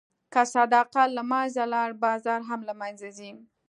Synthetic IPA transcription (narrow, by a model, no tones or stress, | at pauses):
kasad̪ɑqalamɑzalɑɽbɑzɑɾɦamlamanzazi